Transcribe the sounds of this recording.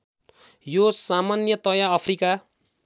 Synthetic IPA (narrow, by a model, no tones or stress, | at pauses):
josamanjʌt̪ʌjaʌpʰrika